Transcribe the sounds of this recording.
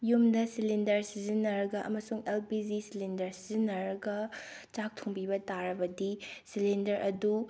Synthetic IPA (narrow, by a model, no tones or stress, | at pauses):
jumdɐsilindɐɾsizinɐɾɐɡɐʔɐ̰mɐsuŋelpizisilindɐɾsizinɐɾɡɐt͡ʃak̚tʰuŋbibɐtaɾɐbɐdisilindɐɾʔɐdu